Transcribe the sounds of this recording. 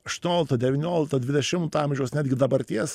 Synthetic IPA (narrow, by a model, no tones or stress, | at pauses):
ɐʃt̪ʊnʲoːlʲɪkt̪ɐd̪ʲɛʋʲɪnʲoːlʲɪkt̪ɐd̪ʲʋʲɪd̪ʲɛʃʲɪmt̪ɑːmʲʒʲɛʊsnʲæːd̪ʲɡʲɪd̪ɐbɐɾʲt̪ʲiɛs